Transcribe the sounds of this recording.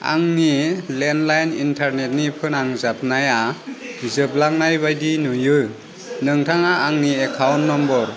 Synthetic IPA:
a̰ŋnilendlajnintʰaɾnet̚nipʰɯnaŋzap̚naja | zɯp̚laŋ̚najbajdinujɯ | nɯŋtʰaŋaːŋniekʰawnːɔmbɔɾ

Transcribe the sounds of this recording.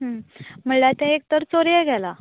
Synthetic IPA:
ɦəm̤əɳlat̪ɛ̃ek̚t̪əɾt͡soɾjɛɡʱɛla

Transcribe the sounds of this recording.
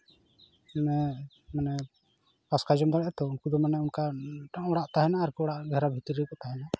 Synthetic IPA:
ɛmɛ | manɛ | paskad͡ʒɔmd̪aɾɛʔɛt̪ɔunkud̪ɔmanɛunkaʈɔɽaʔt̪aɦɛnaːɾkuɔɽaʔɡʱɛɾabʱit̪ɾikɔt̪aɦɛna

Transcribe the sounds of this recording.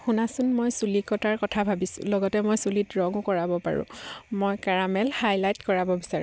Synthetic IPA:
xunasʊnmojsulikɔtaɹkɔtʰabʱabisʊ̰̃lɔɡɔtɛmojsulitɹɔŋʊkɔɹabɔpa̰ɹʊ̰̃mojkaɹamɛlhajlajtkɔɹabɔbisaɹu

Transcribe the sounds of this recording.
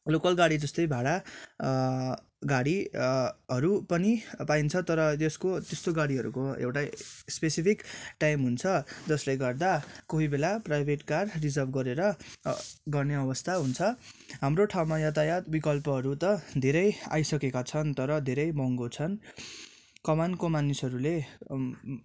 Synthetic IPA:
lokʌlɡaɽid͡zʌst̪ʌjbʱaɽa | ɡaɽi | ɦʌɾupʌnipaint͡sʰʌt̪ʌɾʌt̪eskot̪est̪oɡaɽiɦʌɾṵkoḛwʈaspesipʰikʈajmɦunt͡sʰʌd͡zʌslejɡʌrd̪akʌɦibelaprajbʱeʈkarrid͡zʌrbɡʌɾeɾʌ | ɡʌrneʌbʌst̪ʰaɦunt͡sʰʌɦamroʈʰawmajʌt̪ajat̪bikʌlpʌɦʌɾut̪ʌd̪ʱeɾʌja̰jsʌkekat͡sʰʌnt̪ʌɾʌd̪ʱeɾʌjbʌŋɡot͡sʰʌn | kʌmankomanisʌɾule

